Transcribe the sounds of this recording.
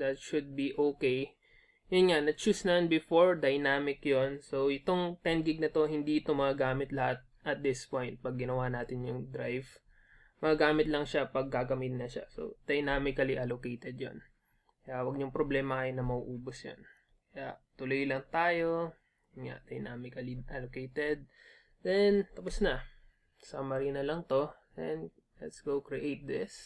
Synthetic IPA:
d̪ɐt̪ʃʊd̪̚biʔoːkej | jʊnŋanɐt͡ʃusnɐɐnbɪfoɹd̪ɐjnaːmɪkjonsowʔɪt̪o̞ŋt̪ɛnɡɪɡ̚nɐt̪o̞hɪnd̪iʔɪt̪o̞mɐɡɐɡaːmɪt̪lɐhat̪̚ʔɐt̪̚d̪ɪspojnt̪̚pɐɡːɪnɐwaːnaːt̪ɪnjʊŋd̪ɾajv | mɐɡɐɡaːmɪt̪lɐŋʃapɐɡ̚ːaɡɐmɪt̪nɐʃa̰so̰d̪̥ɐjnaːmɪkɐliʔalokejt̪ɛd̪̚jo̰n | kɐjawɐɡ̚ɲʊŋpɾoblɛːmɐʔɐjnɐmɐuʔuːbosjo̰n | kɐjaʔt̪ʊlojlɐŋt̪aːjo̞ | ʊŋa̰ʔd̪̥ɐjnʔaːmɪkɐlɪʔalokejt̪ɛd̪̚ | d̪ɛnt̪ɐposnɐ | sɐmɐɾiːnɐlɐŋt̪o̞d̪ɛn | lɛt̪sɡ̥owkɹɪʔejt̪̚d̪ɪs

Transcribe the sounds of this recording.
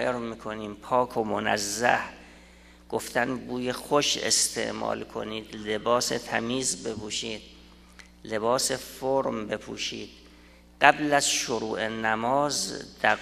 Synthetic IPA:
eɾmiːkʰoniːmpʰɒːkʰomonæ̰zːæ̰h | ɡ̥oft̪ʰænbuːjexoʃḛst̪ʰḛʔmɒ̰ːlkʰo̞̰niːd̪lebɒːset̪ʰæmiːzbe̞pʰuːʃiːd̪̥̚ | le̞bɒːse̞foɾmbe̞pʰṵːʃḭːd̪̥ | ɢ̥æblæzʃoɾuːʔenæmɒːzd̪̥æ

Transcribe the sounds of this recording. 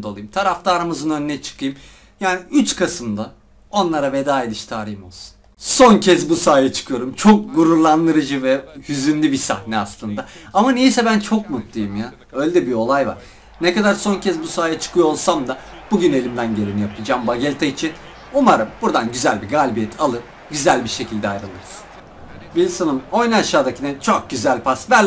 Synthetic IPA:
d̪o̞lˠujɯmt̪ʰaɾaft̪ʰaːɾamɯzɯnø̞nynɛt͡ʃʰɯ̥kʰɯjɯm | jaːniyt͡ʃkʰasɯmd̪a | o̞nlˠaɾave̞d̪aːed̪ɯʃt̪ʰaːɾijmo̞lˠsu̥n | so̞ncʰɛzbusaːjat͡ʃʰɯ̥kʰɯjo̞ɾumt͡ʃʰo̞k̚ɡuɾuɾlˠand̪ɯɾɯd͡ʒɯvɛjyzynlʲibisa̰hnɛaslˠɯnd̪aamanejisɛbænt͡ʃʰo̞kmut̪lˠijɯmja | ø̞lʲed̪ɛbio̞lˠajva̰ɾ̥ | nekad̪aɾso̞ncʰɛzbusaːjat͡ʃʰɯ̥kʰɯjoolˠsamd̪a | b̥uɟyne̞lʲimd̪ænɟe̞lʲinijapʰɯd͡ʒaːmbaɟɛlʲt̪ʰait͡ʃʰin | umaɾɯmb̥uɾd̪anɟyzælʲbiɡaːlʲbijɛt̪ʰalˠɯp | ɟyzælʲbiʃe̞cʰilʲd̪ɛajɾɯlˠɯɾɯz̥ | bilʲsanɯmo̞jnaʃaːd̪acʰinɛt͡ʃʰok̚ɟyzælʲpʰasvælʲ

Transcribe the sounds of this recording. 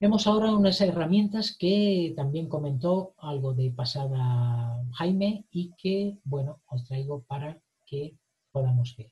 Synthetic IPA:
be̞mo̞sao̞ɾaunaseramjẽ̞nt̪aske̞t̪ambje̞ŋko̞mẽ̞nt̪o̞alɣo̞ðepasaðaxajme̞ikʰebwe̞no̞ost̪ɾajɣ̞o̞paɾa | ke̞ | po̞ðamo̞zβeɾ

